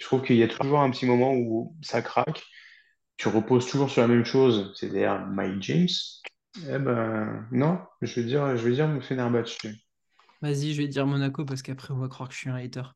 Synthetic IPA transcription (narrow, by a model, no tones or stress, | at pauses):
ʒət̪χuvkəiljat̪ʰu̥tuʒuʁɛ̃pət̪ʰimɔmɑ̃usakχakʲ | t̪yʁəpozt̪uʒuʁsyʁlamɛmʃozsɛt̪ad̪ḭʁma̰jd͡ʒɛms | ɛbanɔ̃ʒəvɛd̪iʁʒəvɛd̪iʁmɔ̃fɛnaʁbaʃy | vaziʒəvɛd̪iʁmɔnakop̬asə̥kapχɛɔ̃vakχwaʁkə̥ʃɥiɛ̃ɛt̪œʁ